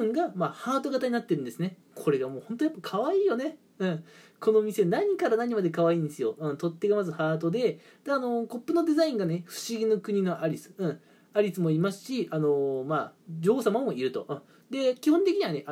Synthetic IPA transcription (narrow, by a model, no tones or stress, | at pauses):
ɯŋɡamahaːt̪o̞ɡat̪aɲ̟inat̪ːe̞ɾɯ̟̃nd̪e̞sɨne̞ | kʰo̞ɾe̞ɡamo̞ːhõ̞nt̪o̞japːakʰaβaiːjo̞ne̞ | ɯ̟̃ɴ | kʰo̞no̞mʲise̞naɲ̟ikaɾanaɲ̟imad̪e̞kaβaĩːnd̪e̞sɨjoɯ̟̃ɴt̪o̞t̪ːe̞ɡamazɨhaːt̪o̞d̪e̞ | d̪̥aːno̞ko̞pːɯ̟no̞d̪e̞zaĩŋɡaneɸɯ̟̥ɕiɡʲinokɯ̟ɲ̟ino̞ʔaɾʲisɨ̥ɯ̟̃ | aɾʲisɨmo̞imasɨ̥ɕiano̞maːd͡ʑo̞ːsamamo̞iɾɯ̟t̪o̞ɯ̃ | d̪e̞kʲihõnt̪e̞kʲiɲ̟iβane̞ʔ